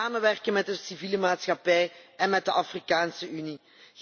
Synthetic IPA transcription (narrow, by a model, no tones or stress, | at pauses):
aːməʋɛrkənmɛt̚dəsiviːləmaːtsxɑpɛjɛnmɛt̚dəʔɑfrikaːnsəyni